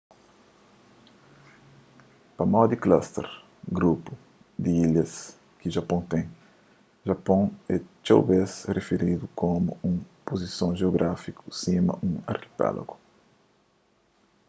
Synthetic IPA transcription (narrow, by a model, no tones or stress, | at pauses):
pɐmawd̪iklast̪ḛɾ | ɡɾupu | d̪iilɐs | kiʒapõt̪ẽj | ʒapõŋɛt͡ʃawbesrefeɾid̪ukʰomuũŋpozisõŋʒeoɡɾʔafikusimɐ̰ʔũŋɐ̰ɾki̥pɛ̰lo̰ɡu